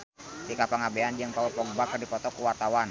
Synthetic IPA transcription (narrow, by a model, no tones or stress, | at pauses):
sikapaŋabeand͡ʒiəŋpaupɔɡ̚bakərdipɔt̪ɔkuwart̪awan